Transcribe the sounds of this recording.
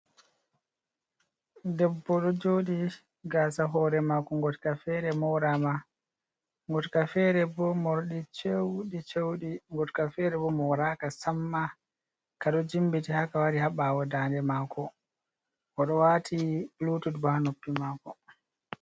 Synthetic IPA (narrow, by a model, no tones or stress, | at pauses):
dɛbːɔɗɔd͡ʒoːɗi | ɡaːsaɦɔɾɛmakɔŋɡɔtkafɛɾɛmɔwɾama | ŋɡɔtkafɛɾɛbɔmɔɾɗit͡ʃewɗit͡ʃewɗiŋɡɔtkafɛɾɛbɔmɔwɾakasamːa | kaɗɔd͡ʒimbitihakawaɾihaɓawɔdaːndɛmaːkɔ | ʔɔɗɔwatʰiblutudbahanopːimaːkɔ